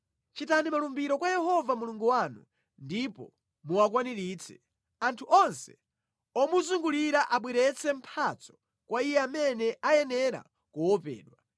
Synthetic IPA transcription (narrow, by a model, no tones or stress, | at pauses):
t͡ʃitanimalumbiɾɔkwajɛhɔvamuluŋɡuwanṵ | ndipɔ̰ | muwakwaniɾiːt͡sʰɛ̥ | antʰuʔɔnsɛ̥ | ɔmuzuŋɡuliɾaʔaɓwiɾɛt͡sʰɛm̩pʰat͡sɔ̥ | kwaijɛamɛnɛʔajɛnɛɾa̰ | kuwɔpɛ̰ːɗwa